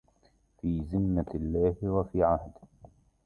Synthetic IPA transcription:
fiːzɪnːalːaːhwafiːʕahd̪

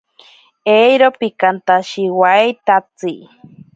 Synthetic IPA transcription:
ejɾopikant̪aʃiwait̪at͡si

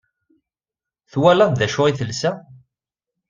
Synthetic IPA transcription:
θwælænðæʃʊʁiθəlsæ

